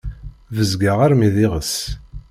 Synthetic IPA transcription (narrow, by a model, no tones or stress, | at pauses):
vəzɡaʁaɾmiðiʁəs